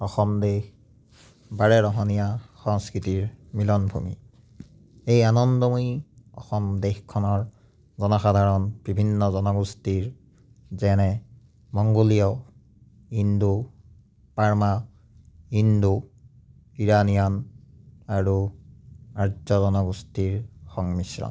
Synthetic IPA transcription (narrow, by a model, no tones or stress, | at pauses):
ɔxɔmdex | baɹɛɹɔɦɔnijaxɔŋskɹitiɹmilɔnbʱṵmḭ | ejanɔndɔmuiɔ̰xɔmdexkʰɔnɔɹ | zɔnɔxadʱaɹɔnb̥ibʱinːɔzɔnɔɡustiɹ | zɛnɛ | mɔŋɡolijɔ | indu | paɹma | indu | iɹanijɔn | aɹu | aɹzɔzɔnɔɡustiɹxɔŋmisɹɔ̰n